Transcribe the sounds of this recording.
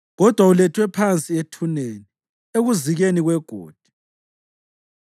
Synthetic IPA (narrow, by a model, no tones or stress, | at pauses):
ɣɔd̥ʱwaulɛtʰwɛpʰant͡sʼietʰuneni | eɣuziɣeniɣwɛɡ̥ʱoːd̥ʱi̥